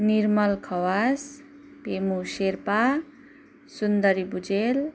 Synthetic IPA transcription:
niɾmʌlkʰʌwas | pemuseɾpa | sund̪ʌɾibud͡ʒel

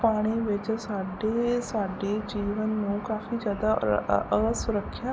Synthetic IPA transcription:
paːɽ̃iːʋɪt͡ʃsaːɖeːsaːɖeːd͡ʒiːʋənːũːkaːfiːd͡ʒjaːd̪a̰əɡəsʊɾəkʰːjaː

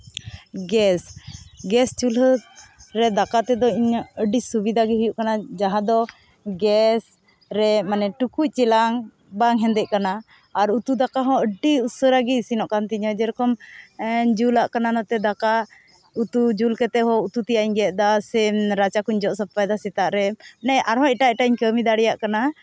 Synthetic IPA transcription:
ɡɛsɡɛst͡ʃulɦəɾɛd̪akat̪ɛd̪ɔiɲəɖisubid̪ʱaɡɛɦujuʔkanad͡ʒaɦãd̪ɔ | ɡɛs | ɾɛmanɛʈukuc̚ˀt͡ʃɛlaŋ | baŋɦɛnd̪ɛʔkanaː | ɾut̪ud̪akaɦɔ̃əɖiusəɾaɡiisinɔʔkant̪iɲɔd͡ʒɛɾɔkɔm | d͡ʒulaʔkananat̪ɛd̪aka | ut̪ud͡ʒulkɛt̪ɛɦɔ̃ut̪ut̪ijaʔiɲɡɛt̪̚ˀd̪asɛɾat͡ʃakuɲd͡ʒɔʔsəp̚lajd̪asɛt̪aʔɾɛnɛʔaɾɦɔ̃ɛʈaɛʈaiɲkəmid̪aɽɛjaʔkana

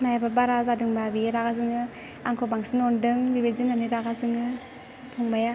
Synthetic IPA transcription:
najababaɾazadɯŋbabiɾaɡazɯŋɯ | aŋkʰɔbaŋsinɔndɯŋbibezinaniɾaɡazɯŋɯ | tʰɔŋbaja

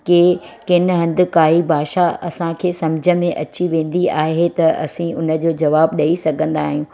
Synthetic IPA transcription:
kekɪnɦɐ̃nd̪ɪ̆kaːɦibʱaːʃaɐsãkʰeːsɐmd͡ʑʱə̆mẽʔɐt͡ɕiʋẽːn̆d̪iaːɦet̪ɐɐ̰sĩʊnə̆d͡ʑoːd͡ʑɐʋaːbɗɐisɐɡʱə̃nd̪aːɦijũː

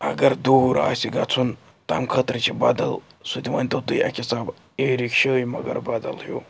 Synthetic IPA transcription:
ɐɡɐɾd̪uɾa̰ːsʲiɡɐt͡sʰun | t̪amkʰət̪ɾɨt͡ʃibaːd̪ɐl | sut̪ʲiʋɐnʲt̪ɐt̪ujɐ̰kʲisaːb | eːɾikʃəːjmɐ̰ɡɐ̰ɾbaːd̪ɐ̰lɦjuː

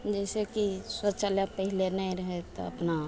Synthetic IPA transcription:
d͡ʒɛːsekiswət̪ːʃaljãpəɦɪlenaĩɾɦet̪oɐ̰pna

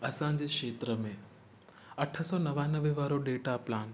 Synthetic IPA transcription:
əsãɲd͡ʒekʃeːt̪ɾəmẽ | əʈʰəsɔnəʋanəʋeʋaːɾoɖeːʈaplaːn

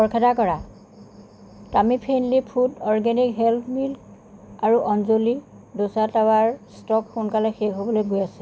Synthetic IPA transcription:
pɔɹkʰɛtakɔɹa | tamipʰenlipʰudɔɹɡɛnikɦɛlpʰmilk | aɹuʔɔnzoli | dosatawaɹstɔkxunkalɛxeɦobɔlojɡojasɛ

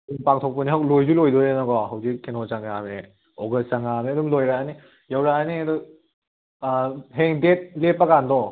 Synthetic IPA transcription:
dumpaŋt̪ʰok̚pɐniɦawklojzulojdɔenɔɡɔɦɐwzikːenɔt͡ʃaŋame | ɔɡɐst͡ʃaŋameɐdumlojɾaani | jawɾaaniɐdu | ɦeŋdet̚lepːakandɔ

